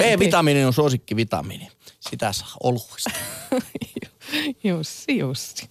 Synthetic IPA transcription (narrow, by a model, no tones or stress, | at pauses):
eˑːʋit̪ɑminenonsuoˑsikːiʋit̪ɑ̰mḭne | sit̪æ̰sɑ̥ˑːʔoluˑi̥st̪ | jjost̪iost̪i̥